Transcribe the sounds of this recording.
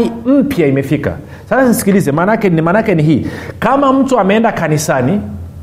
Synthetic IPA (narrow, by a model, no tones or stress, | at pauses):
im̩pjaimɛfika̰ | sasasnisi̥kilizɛmanakɛnimanakɛniɦiːkamam̩tuamɛɛndakanisani